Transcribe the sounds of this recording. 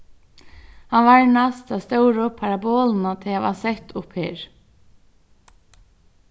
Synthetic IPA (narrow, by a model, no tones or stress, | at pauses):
hanʋaɹnast̪ast̪œːwɾʊpʰaɾabɔːlnat̪ʰɪaʋa̰sɛht̪ʊpheːɾ